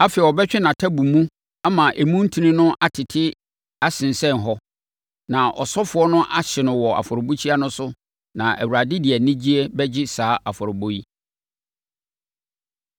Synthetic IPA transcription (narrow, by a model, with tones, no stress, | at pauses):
a˦fɛ˨ɔ˨bɛ˦t͡ɕᶣɪ˦nã˨tʰa˦bu˨mũ˦ | a˦mã˨ʔe˨mũ˦n̩˦tʰĩ˨nɪ̃˦nʊ̃˦ʔa˨tʰɪ˨tʰɪ˦ | a˦sɪ̃˨n˨sɛ̃˦˨n˨ɦɔ˦ | nã˨ʔɔ̰˨sɔ˦fʊ˨˦ɔ˦nʊ̃˦ʔa˦ɕɪ˨nʊ̃˨wɔ˨a̰˨fɔ˨ɾo˨bo˦t͡ɕʰi˦a˦nʊ̃˦sʊ˦ | nã˨ʔæ̰˨wu˨ɾa˨dɪ˦dɪ˨ɛ˨nɪ̃˦d͡ʑi˦e˦bɛ˦d͡ʑɪ˦saː˨˦ʔa˨fɔ˨ɾʊ˨bo˦i˦